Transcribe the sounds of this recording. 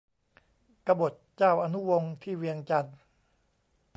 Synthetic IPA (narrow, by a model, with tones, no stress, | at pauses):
ka˧bo˨˩t̪̚t͡ɕaː˥˩wʔa˧nu˦˥wo˧ŋt̪ʰiː˥˩wi˧əŋt͡ɕa˧n